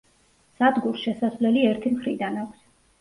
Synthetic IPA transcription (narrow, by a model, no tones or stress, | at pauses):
sad̪ɡuɾsʃɛsasvlɛliɛɾt̪ʰimχɾid̪anakʷʰs